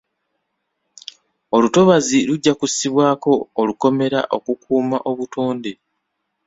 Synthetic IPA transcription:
o̞luto̞βaziluɟːakusiβwaːko̞ːluko̞me̞ɾa̰ʔo̞kukʰuːmaʔo̞βuto̞ːnde̞

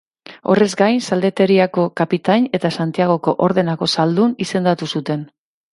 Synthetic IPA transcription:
o̞̰re̞zɡajnsald̪e̞t̪e̞ɾiako̞kapit̪aɲe̞t̪asant̪iaɣ̞o̞ko̞ʔo̞ɾðe̞nako̞sald̪unise̞nd̪at̪usut̪e̞n

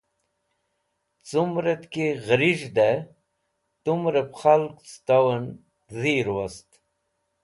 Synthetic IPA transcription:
t͡sumɾet̪keɣɾiʐd̪e | t̪umɾepχalkt͡st̪awɐn | ziɾwast̪

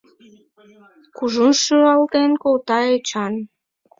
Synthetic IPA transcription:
kuʒunʃyɾɑlt̪enkolt̪ɑet͡ɕɑn

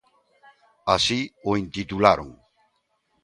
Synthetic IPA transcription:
asioint̪it̪ulaɾo̰ŋ

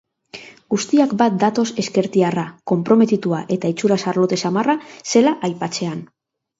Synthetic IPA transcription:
ɡust̪iakbat̪̚d̪at̪o̞se̞ske̞ɾt̪iarako̞mpɾo̞me̞t̪it̪uaʔe̞t̪ait͡ʃuɾasaɾlo̞t̪e̞samarase̞laʔajpat͡se̞an

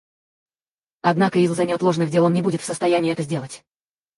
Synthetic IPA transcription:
ɐd̪nakəɪzzɐnʲot̪lˠo̞ʐnɨxdʲelˠonnʲɪbudʲɪt̪fsəst̪ɐjænʲɪːɛt̪əzʲdʲelˠətʲ

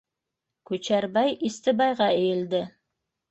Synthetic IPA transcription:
kʉt͡ʃæɾbæjist̪ɘ̆bɑjʁɑɘ̆jɘ̆ld̪ɘ

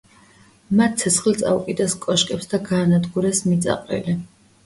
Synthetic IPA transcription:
mat̪̚ʰsʰɛsχlt̪sʼa̰ukʼid̪askʼɔʃkʼɛpsd̪aɡaːnad̪ɡuɾɛsmit̪sʼa̰qʼɛ̰li

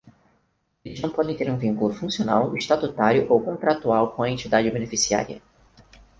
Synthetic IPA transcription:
elɪʒnɐ̃w̃pɔd̪ẽt̪eɾũvĩŋkulʊfũsiona̰weʃt̪at̪ut̪aɾjʊʔowkõnt̪ɾat̪uawkõɐẽnt͡ʃid̪ad͡ʒɪbenefisia̰ɾiɐ̰

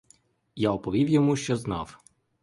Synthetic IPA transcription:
jaɔpɔʋʲiwjɔmuʃt͡ʃɔznɑw

